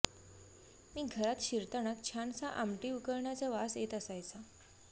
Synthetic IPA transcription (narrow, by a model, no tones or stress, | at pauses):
miːɡʱəɾat̪ɕiɾt̪əɳ̃at̪̚t͡ɕʰant͡saʔamʈiːukəɾɳjat͡səʋaset̪əsajt͡sa